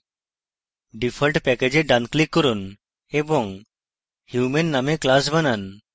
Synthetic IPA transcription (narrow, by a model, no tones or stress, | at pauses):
ɖipʰəlʈpɛked͡ʒeɖanklikːɔɾun | ebɔŋ | hjumenːameklas̬banan